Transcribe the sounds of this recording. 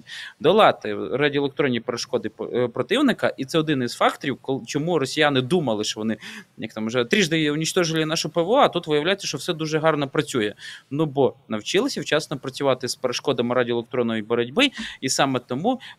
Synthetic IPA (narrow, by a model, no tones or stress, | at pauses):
d̪ɐlˠɑt̪ɪradʲielˠekt̪ɾɔnʲːipeɾeʃkɔd̪ɪpɾɔt̪ɪwnɪkɐʔit̪sɛɔd̪ɪniz̥fɑkt̪ɔɾʲiwkɔlˠt͡ʃɔmurɔsʲijanɪd̪umɐlˠɪʃt͡ʃɔʋɔnɪjɐk̚t̪ɑmɔʒɛt̪ɾʲiʒd̪ɐʊnʲit͡ʃt̪ɔʒɪlʲinɑʃʊpeʋoɔɐt̪ut̪ʋɪjɐʋwlʲajet͡sʲːɐʃt͡ʃɔwsɛd̪uʒɛɦɑrnɔpɾɐt͡sʲujɛnubɔnɐwt͡ʃɪlˠɪsʲɐwt͡ʃɑsnɔpɾɐt͡sʲʊʋɑt̪ɪspeɾeʃkɔd̪ɐmɪɾadʲielˠekt̪ɾɔnːɔjibɔɾɐdʲbɪisɑmɛt̪ɔmu